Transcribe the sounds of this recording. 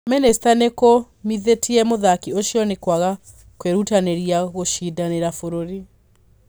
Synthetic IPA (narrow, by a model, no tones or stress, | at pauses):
mɛnɛstaneko | miðetʰiɛmoðakioʃjɔnekwaɣa | kweɾutaneɾijaɣoʃidaneɾafoɾoɾi